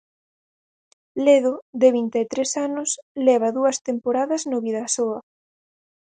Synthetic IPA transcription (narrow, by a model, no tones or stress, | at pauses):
leðʊðeβint̪eːt̪ɾesanʊslɛβ̞ɐðuɐst̪empoɾaðɐznoβiðɐsoɐ